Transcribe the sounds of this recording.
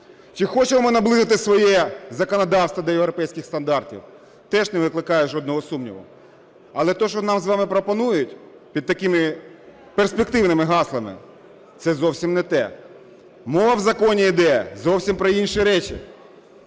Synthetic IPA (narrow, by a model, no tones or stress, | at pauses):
t͡ʃɪxɔt͡ʃɛmɔmɪnɐblˠɪzɪt̪ɪsʋɔjɛzɐkɔnɐd̪ɑwst̪ʋɐd̪ʲɐjewɾɔpɛjsʲkʲɪxst̪ɐnd̪ɑrtʲḭw | t̪ɛʒnɛʋɪklˠɪkɑjɛʒɔd̪̚nɔɦɔsumnʲḭʋɔ̰ | ɐlˠɛt̪ɔʃɔnɑmzʋɑmɪpɾɔpɔnujʊtʲ | pʲid̪̚t̪ɐkɪmɪ | persʲpek̚t̪ɪwnɪmɪɦɑslˠɐmɪ̰ | t̪sɛzɔwsʲimnɛt̪ɛ̰ | mɔʋɐwzɐkɔnʲiid̪ɛzɔwsʲimpɾɔinʃiɾɛt͡ʃḭ